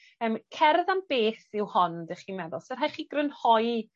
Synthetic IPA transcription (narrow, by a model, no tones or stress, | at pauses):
əːmkʰɛrðamb̥eːθɪwhɔndɛχiːmɛðɔlˠsɛrɦajχiːɡrənhɔj